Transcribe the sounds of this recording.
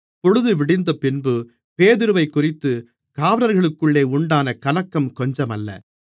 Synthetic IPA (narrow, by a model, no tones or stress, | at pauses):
pɔɻɯðɯʋɪɽɪnd̪ɐpɪnbɯ | peːðɪɾɯʋɐɪkːʊrɪt̪ːɯ | kaːʋɐnɐɾɣɐɭɯkːɯɭːeːʊɳɖaːnɐkɐlɐkːɐmkɔɲd͡ʒɐmɐlːɐ̰